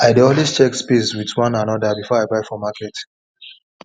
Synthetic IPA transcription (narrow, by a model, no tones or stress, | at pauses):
aɪdeɔ̃nlwist͡ʃɛkspeswitwãnãnɔdabifɔaɪbaɪfɔmakɛt